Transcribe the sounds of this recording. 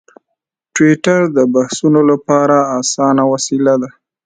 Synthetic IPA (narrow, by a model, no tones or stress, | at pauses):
ʈwiʈaɾd̪əbahsunolapɑɾaːsɑnawasilad̪a